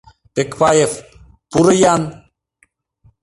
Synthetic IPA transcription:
pekpaːjef | puɾəjaːn

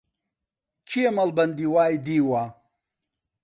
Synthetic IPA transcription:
kʰiɐmɐlbɐnd̪iwaːjd̪iːwaː

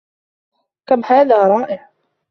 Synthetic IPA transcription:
kamːhaːðaːɾˤɑːʔɪʕ

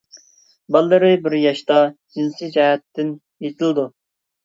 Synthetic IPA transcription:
bɑlˠːɨɾɨbɪɾjɑʃt̪ɑd͡ʒinsid͡ʒɛɦɛt̪ːɪn | jet̪ʰɪlˠd̪u

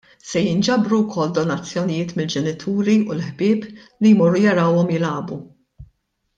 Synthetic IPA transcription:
sɛjɪnd͡ʒɐbɾuwkʰɔld̪ɔnɐt͡sːjɔnɪjɪːt̪mɪld͡ʒɛnɪt̪ʰuːɾiulħbɪːplijmɔrːujɐɾɐwɔmjɪlɐːbu

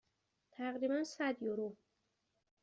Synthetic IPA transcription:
t̪ʰæɣɾiːbænsæd̪joɾo

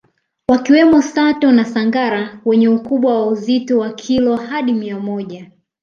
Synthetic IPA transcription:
wakiwɛmɔsatɔnasaŋɡaɾawɛɲɛukuɓwawauzitɔwakʰilɔhaɗimiamɔʄa

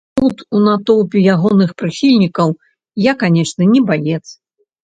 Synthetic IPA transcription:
t̪ut̪unat̪ɔwpʲijaɣɔnɨxpɾɨxʲilʲnʲikɐw | jakanʲɛʂnɨnʲɛbajɛt̪s

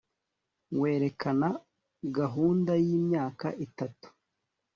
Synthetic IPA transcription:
we̞ːɾe̞kʰana | ɡaɦuːndajiːmɲaːkaʔitatu̥

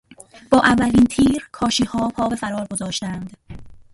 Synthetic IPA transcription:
b̥ɒːʔævːæliːnt̪ʰiːɾkʰɒːʃiːhɒːpʰɒːbe̞fæɾɒːɾɡo̞zɒːʃt̪ænd̪̥

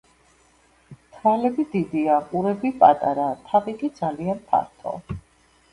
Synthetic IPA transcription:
t̪ʰvalɛbid̪id̪iaqʼuɾɛbipʼat̪ʼaɾat̪ʰaviɡʼid̪zalianpʰa̰ɾt̪ʰɔ̰

